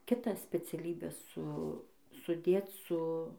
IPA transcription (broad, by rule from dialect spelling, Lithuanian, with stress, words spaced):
kʲɪˈtɑː sʲpʲɛt͡sʲɛˈlʲiːbʲæː ˈsʊ sʊˈdʲeːt͡s sʊ